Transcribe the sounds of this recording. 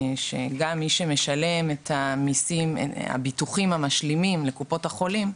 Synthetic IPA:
ʃḛɡamːiʃeme̞ʃale̞methamisim̰a̰bituχimhamaʃlimimle̞kupo̞thaχo̞lim

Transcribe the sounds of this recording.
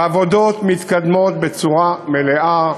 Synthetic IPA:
avod̪ot̪mit̪kad̪mot̪̚bet͡suʁameleʔa

